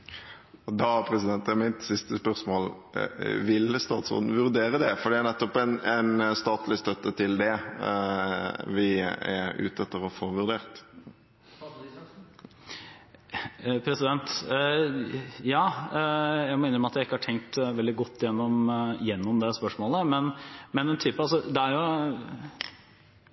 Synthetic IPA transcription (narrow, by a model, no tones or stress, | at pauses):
ɔd̪ɑpʰɾɛsɪd̪ɛnt̪æmæɪnt̪sɪst̪əspœʁsmoːl | ʋɪlst̪ɑːt̪sʁo̰ːd̪n̩ʋʉɾd̪eːɾəd̪ɛfɔɾɖ̪ɛæɾnɛt̪ːɔpɛnɛnst̪ɑːt̪lɪst̪œt̪ːət̪ʰɪld̪ɛ | ʋɪɛ̰ɾʉ̰ːt̪ɛt̪ːəɾɔfoːʋʉɾd̪eːʁt̪ | pʰɾɛsɪd̪ɛnt̪ | jɑː | jæɪɡmɔeɪnəɾmɑt̪jæɪɪkːəhɑʈʰɛŋk̚t̪ʋɛld̪ɪɡɔt̪ːɪjɛnːɔmjɛnːɔmd̪ɛspœʂmoːləmɛnmɛnɛnt̪ʰyːpəɑlsɔd̪ɛæɾjʊ